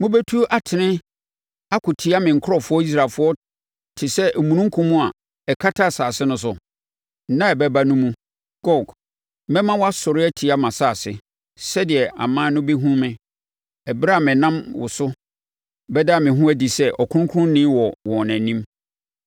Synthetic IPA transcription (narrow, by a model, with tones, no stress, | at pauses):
mʊ̃˦bɛ˦tʰu˦ʔa˨tʰɪ˨nɪ̃˦ | a˦kʰʊ˨tʰi˨˦a˦mɪ̃˨ŋ̩˨kʰʊ˦ɾɔ˨fʊ˦ɔ˦i˦s̬ɾaː˨lfʊ˦ɔ˦ | tʰɪ˨sɛ˦ʔmũ˨nũ˦ŋ˦kʰũ˦mũ˦a˨ | ɛ˨kʰa˦tʰa˦˨saː˨sɪ˦nʊ̃˦s̬ʊ˨˦ | nã˦ɛ˨bɛ˦ba˦nʊ̃˦mũ˦ | ɡ̥ɔ˦˨ɡ | mɛ̃˦mːã˦wɔ˦a˦sɔ˨ɾɪ˦ɛ˦tʰi˨a˦mã˨saː˨sɪ̰˦ | sɛ˦dɪ˨ɛ˨ʔa̰˨mãː˦nʊ̃˦be˦ɦũ˦mɪ̃˨ | ɛ˨bɾa˦˨mɪ̃˨nã˦mwʊ̰˨sʊ˦ | bɛ˦da˦˨mɪ̃˨ɦʊ̃˦æ˦di˨sɛ˦ʔɔ˨kʰʊ̃˦ʊ̃˦kʰʊ˦ʊ̃˦nɪ̃˦wɔ˨wɔ̃˨næ̃˨nĩ˦m